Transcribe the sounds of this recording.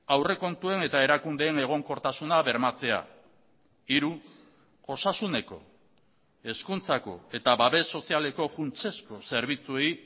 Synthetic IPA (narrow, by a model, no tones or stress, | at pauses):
awre̞ko̞nt̪ue̞ne̞t̪ae̞ɾakund̪e̞ːne̞ɣ̞o̞ŋko̞ɾt̪asunaβe̞ɾmat͡se̞a̰ | iɾu | ʝo̞sasune̞ko̞̰ | e̞skunt͡sako̞̰e̞t̪aβaβe̞sːo̞siale̞ko̞funt͡se̞sko̞se̞ɾβ̞it͡sue̞j